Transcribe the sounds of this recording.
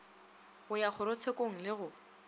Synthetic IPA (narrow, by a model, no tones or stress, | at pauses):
ɣʊjak͡xʰʊɾʊt͡sʰekʼoŋ̩lɪɣʊ